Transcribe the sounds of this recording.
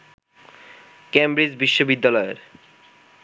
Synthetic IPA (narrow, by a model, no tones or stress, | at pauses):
kembɾid͡ʑbiʃːobid̪ːalɔḛɾ